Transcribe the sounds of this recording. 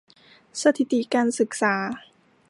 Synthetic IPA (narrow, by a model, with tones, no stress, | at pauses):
sa˧t̪ʰi˨˩t̪i˨˩kaː˧nsɯ˨˩k̚saː˩˦